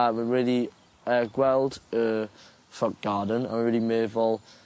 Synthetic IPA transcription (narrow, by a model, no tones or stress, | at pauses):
awəɹiːli | əɡwɛlˠdə | fʌk̚ɡ̥ɑːdⁿən̩ə̰̃nwəɹɪːlimeːvəlˠ